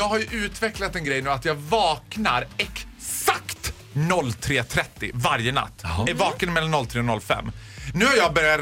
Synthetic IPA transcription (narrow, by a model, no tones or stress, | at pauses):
jɑːɡhaɾjɵʔʉ̟ːt̪vɛklat̪ɛnɡɾɛjnʉ̟ːat̪jɑːɡvɑːknaɾɛk | sakt̪ | nɔlːt̪ʰɾeːt̪ʰɾɛt̪ːɪvaɾjəna̰t̪ːɛvɑːkənmɛlanːɔlːt̪ʰɾeːnɔlːfɛ̰mː | nʉ̟ːhaɾjɑɡbœɾja